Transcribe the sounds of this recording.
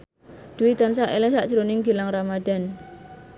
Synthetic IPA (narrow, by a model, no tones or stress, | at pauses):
d̪̥uwit̪ansaʔelɛsaʔd̥ʒ̥ɾonɪŋɡilaŋramad̥a̤n